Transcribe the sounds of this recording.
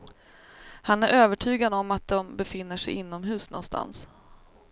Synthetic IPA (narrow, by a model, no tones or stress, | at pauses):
hanæɾʔøːvəʈʰyːɡad̪ɔmːat̪̚d̪ɛmbɛfɪnːəʂɛ̰jɪnːɔmɦʉ̟ːsnɔ̰nst̪ʰa̰ns